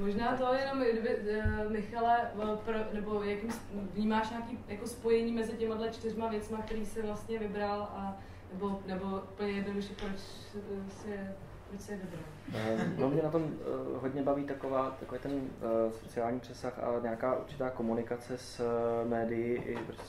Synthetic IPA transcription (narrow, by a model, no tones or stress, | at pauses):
moʒnaːt̪o̞jɛno̞mdvɪmɪxalɛpɾonɛbo̞jakimsvɲiːmaːʃɲaːkiːjako̞spo̞jɛɲiːmɛzɪcɛmadlɛt͡ʃt̪ɪrmavjɛt͡smak̚t̪ɛɾiːsɪvlast̪ɲɛvɪbɾalʔa | nɛbo̞nɛbo̞ʔupl̩ɲɛjɛt̪oɡuʒɛpɾot͡ʃ | sɪɛ | pɾot͡ʃsɪjɛvɪbɾal | nomɲɛnat̪o̞mɦod̪ɲɛbaviːt̪akovaːt̪akoviːt̪ɛnsot͡sɪaːlɲiːpr̥ɛsaxa̰ɲɛakaːʔṵɾt͡ʃɪ̥t̪aːkomunɪkat͡sɛsmɛːdɪjɪʔɪɾo